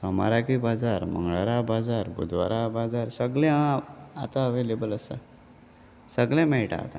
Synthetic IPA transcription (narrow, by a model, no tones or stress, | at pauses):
səma̰ɾakibad͡zaɾm̤ə̰ŋɡɭaɾabad͡zaɾbṵd̪ʋa̰ɾabad͡zaɾsəɡlɛ̃at̪aəʋelebələsa̰ | səɡlɛ̃mɛɭʈa̰ːt̪a